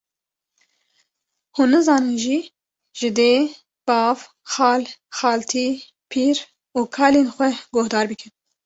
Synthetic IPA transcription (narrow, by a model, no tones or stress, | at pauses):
huːnːɨzɑːnɨnʒi | ʒ̥ɪd̪eː | b̥ɑːv | xɑːlxɑːlt̪ʰiː | pʰiːɾ | uːkʰɑːleːnxʷɛɡohd̪ɑːɾbɨkʰɨn